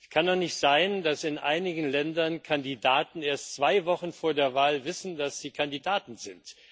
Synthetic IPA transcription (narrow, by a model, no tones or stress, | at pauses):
kʰanːɔχnɪçtz̥aɪndasɪnʔa̰ɪnɪɡŋn̩lɛndɐnkʰandidaːtn̩eːɐstt͡sv̥aɪvɔχn̩foːɐdeːɐvaːlvɪsn̩dasz̥iːkʰandidaːtn̩zɪnt